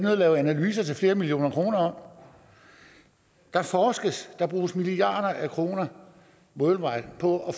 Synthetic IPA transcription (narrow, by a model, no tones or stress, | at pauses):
nøðˠlɛːʊænælyːsɐt͡sʰe̝fle̝ːɐmilio̝̰ːnɐkʰʁo̝ːnɐɒ̽m̰ | d̥ɑ̈fɒːsɡ̥əsd̥ɑ̈b̥ʁṵːsmiliɑ̰̈ːd̥ɐʔækʰʁo̝ːnɐ | mɔlʋɑ̈ɪ̰pʰɒ̽ɒ̽